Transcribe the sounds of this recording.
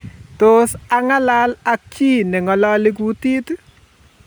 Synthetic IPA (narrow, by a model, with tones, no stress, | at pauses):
t̪o˦sa˨ŋa˦la˦la˦k̚t͡ʃi˦nɛ˨ŋɔ˨lɔ˦lɪ˦k̬u˦ti˦t